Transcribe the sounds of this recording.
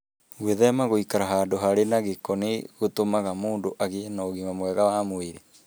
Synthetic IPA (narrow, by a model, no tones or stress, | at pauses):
ɣweðɛmaɣoikaɾaɦaːndoɦaɾenaɣekɔneɣotomaɣamoːndoʔaɣenaɣimamowɛɣawamoeɾe